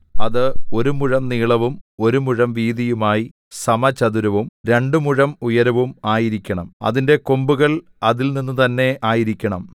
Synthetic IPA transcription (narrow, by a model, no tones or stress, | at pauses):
ɐðɨo̞ɾumuɻɐmniːɭɐʋumo̞ɾumuɻɐmʋiːðijumaːji | sɐmɐt͡ɕɐðuɾɐʋumɾe̞ɳɖɨmuɻɐmujɐɾɐʋumaːjiɾikʲːɐɳɐmɐ̰ðinde̞kombuɣɐɭ | ɐðilninːut̪ɐnːe̞ʔaːjiɾikʲːɐɳɐm